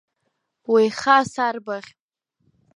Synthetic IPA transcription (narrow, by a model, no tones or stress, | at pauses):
wejχasarbaʁʲʼ